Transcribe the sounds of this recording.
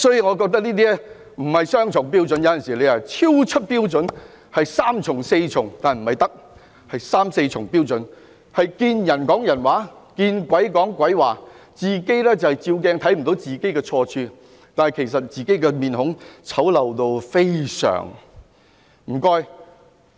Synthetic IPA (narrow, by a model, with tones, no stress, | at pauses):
sɔː˨˥ji˨ŋɔ˨˧k̬ɔː˧k̚t̪̬ɐ˥k̚niː˥t̪̬iː˥ɛ˥ | m̩˨˩hɐ˨jsœː˥ŋt͡ʃʰʊ˨˩ŋpiː˥wt͡sɵ˨˥njɐ˨˥wjɐ˨nsiː˨˩le˨˧ja˨t͡sʰi˥wt͡ʃʰɵ˥t̚piː˥wt͡sɵ˨˥n | hɐ˨jsaː˥mt͡sʰʊ˨˩ŋse˧jt͡sʰʊ˨˩ŋt̪aː˨nm̩˨˩hɐ˨jt̪ɐ˥k̚ | hɐ˨jsaː˥mse˧jt͡sʰʊ˨˩ŋpiː˥wt͡sɵ˨˥n | hɐ˨jkiː˧njɐ˨˩nkɔː˨˥ŋjɐ˨˩nwaː˨˥kiː˧nkwɐ˨˥jkɔː˨˥ŋkʷɐ˨˥jwaː˨˩ | t͡siː˨ke˥jlɛː˥t͡sɐ˨whɐ˨jt͡siː˧wk̬ɛː˧ŋt̪ʰɐ˨˥jm̩˨˩t̪o˨˥wt͡siː˨ke˥jkɛː˧t͡sʰɔː˧t͡ʃʰyː˧ | t̪aː˨nɐ˨jkʰe˨˩js̬ɐ˨t̚t͡siː˨ke˨˥jkɛ˧miː˨nhʊ˨˥ŋt͡sʰɐ˨˥wlɐ˨wt̪o˧wfe˥jsœ̰ː˨˩ŋ | m̩ː˨˩kɔː˧j